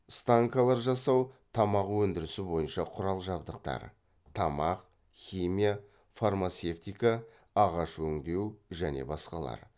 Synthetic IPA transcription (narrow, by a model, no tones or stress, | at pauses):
st̪aŋkɑlˠɑɾʒɑsɑwt̪ʰɑmɑqwɵnd̪ɪɾɪsɪbo̞jənʃɑqʰʊɾɑlˠʒɑbd̪əqt̪ɑ̰ɾ | t̪ʰɑmɑq | χʲimija | farmat̪se̞ft̪ijka | ɑʁɑʃwɵŋd̪e̞wʒæne̞̰bɑsqɑlˠɑ̰ɾ